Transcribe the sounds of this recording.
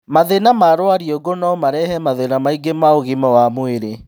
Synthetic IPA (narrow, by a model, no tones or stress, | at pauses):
maðenamaɾoaɾioɡonɔɔmaɾɛhɛmaðenamaiɡemaoɣimɔwamweɾe